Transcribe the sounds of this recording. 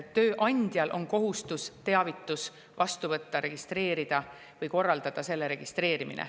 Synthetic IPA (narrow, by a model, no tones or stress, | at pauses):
t̪ːøːʔɑnʲd̪̥jɑlʔo̞nko̞ɦust̪ust̪e̞ɑvit̪ːˑus | vɑst̪uvɤt̪ːɑɾe̞ɡ̥ist̪ɾe̞ːɾid̪̥ɑ | vɤjko̞rːɑld̪̥ɑd̪̥ɑse̞lːe̞ɾe̞ɡ̥ist̪ɾe̞ːɾimḭnḛ